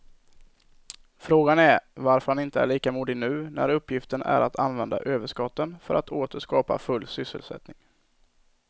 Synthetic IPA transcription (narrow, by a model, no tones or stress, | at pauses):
fɾoːɡanæɾvaɾfœɾhanɪnt̪əæɭiːkamuːd̪ɪnʉ̟ːnæ̰ɾɵpːjɪft̪ənʔæ̰ɾat̪ʰanvɛnd̪a̰ʔøːvəʂkɑt̪ːənfœɾʔat̪ʰoːt̪əʂkɑːpa̰fɵlːsʏsːə̰lsɛ̰t̪nɪŋ